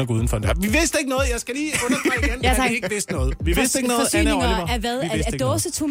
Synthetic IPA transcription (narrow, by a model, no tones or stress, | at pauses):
əɡuːðˠn̩fɒ̽ndʋiʋe̝sd̥e̝ɡ̥nɔ̽ːð̩ˠjɑ̈ɪsɡ̥æliːɔnɐ̥aiɡenʰɑɡe̝ɡʋe̝sd̥nɔ̽ːð̩ˠʋiesd̥e̝ɡ̥nɔːðfɒsy̰nneŋɐæɐʋæðˠæd̥ɔːsət͡sʰu